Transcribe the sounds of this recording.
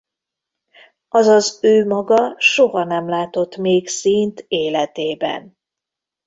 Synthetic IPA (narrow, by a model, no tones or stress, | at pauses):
ɒzɒzøːmɒɡɒʃo̞ɦɒnɛmlaːt̪o̞t̪meːksiːnt̪eːlɛt̪eːbɛ̰n